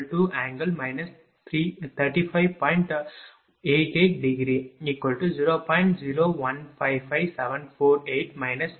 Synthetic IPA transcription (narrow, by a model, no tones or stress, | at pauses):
ʈuʔæ̃ːŋɡəlmaɪnɐs | t̪ʰɾit̪ʰɐɾʈiːpʰaɪʋpɔ̃ɪ̃ɳʈ | eːʈeːʈɖiɡɾiiːkʋɐlʈud͡ʒiːɾoːpɔ̃jɪ̃ɳʈd͡ʒiːɾoːʋɐ̃npʰaɪpaɪʋsɛʋə̃npʰoːɾeːʈmaɪnɐs